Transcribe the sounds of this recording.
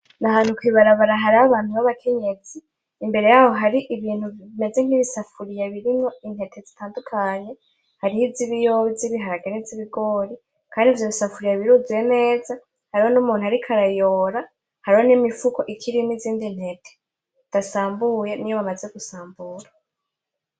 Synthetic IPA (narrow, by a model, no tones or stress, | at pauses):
naɦaːnhukwiːβaɾaβaɾaɦaɾiaβaːnuβaβakʰe̞ɲe̞ziː | mbe̞ɾe̞jaːho̞ɦaɾiʔiβiːnhuβime̞ze̞ŋ̥iβisafuɾijaβiɾiŋo̞inhe̞tʰe̞zitaːndukʰaɲe̞ | haɾihiziβijoziβiɦaɾaɡaniziβiɡo̞ːɾi | kʰaːndivjoβisafuɾijaβiɾuziwene̞ːza | haɾiho̞numuːn̥uhaɾikʰaɾajo̞ːɾa | haɾiho̞nimifuko̞ʔikʰiɾiniziːndin̥he̞tʰe̥ | d̥asaːmbuːjenijo̞βamaze̞ɡusaːmbuɾa